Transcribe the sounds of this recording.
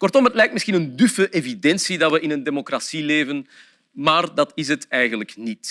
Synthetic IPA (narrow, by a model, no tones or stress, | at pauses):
kɔrtɔmɦətlɛjktmɪsxinəndyfəʔevidɛnsidɑtʋəʔɪnəndemokrasileːvən | maːrdɑtɪs̬ɦətɛjɣənləknit